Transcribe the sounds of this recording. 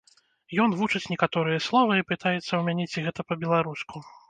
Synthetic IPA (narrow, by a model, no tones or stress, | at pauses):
jɔnvut͡ʂɨt͡sʲnʲɛkat̪ɔɾɨjɐslˠɔvɐipɨt̪ajɛt̪sːɐwmʲanʲet͡sʲiɣɛt̪ɐpɐbʲɛlˠaɾusku